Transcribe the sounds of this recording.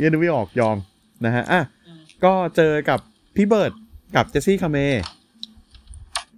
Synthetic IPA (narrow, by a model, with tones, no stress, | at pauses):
je˥˩˨nu˧˦wiː˥˩ʔɔː˨˩k̚jɔː˧ŋm | na˦˥kʰa˦˥ʔa˧˩ | kɔː˥˩t͡ɕɤː˧ka˨˩pʰː | i˦˥bɤː˨˩t̪̚ka˨˩p̚t͡ɕe˦˥siː˥˩kʰa˧meː˧